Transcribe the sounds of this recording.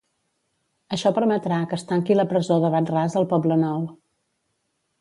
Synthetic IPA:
əʃɔpəɾmət̪ɾakəst̪aŋkiləpɾəzoðəβat̪razðəlˠpɔblənɔw

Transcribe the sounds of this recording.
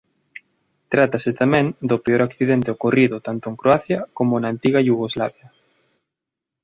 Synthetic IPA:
t̪ɾat̪aset̪amɛ̃ŋd̪opeoɾakθiðent̪eokoriðʊt̪ant̪ʊeŋkɾoaθjɐkomonaːnt̪iɣajuɣ̞ozlaβjɐ

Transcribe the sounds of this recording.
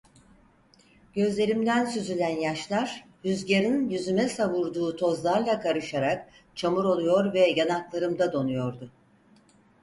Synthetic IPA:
ɟ̥ø̞zlʲe̞ɾimd̪ænsyzylʲænjaʃlˠaɾhyzɟeɾinjyzymɛsaβuɾd̪uːt̪ʰo̞zlˠaɾlˠakʰaɾɯʃaɾak̚ | t͡ʃʰamuɾo̞lˠujo̞ɾvɛjanaklˠaɾɯmd̪ad̪o̞nujo̞ɾd̪ʊ

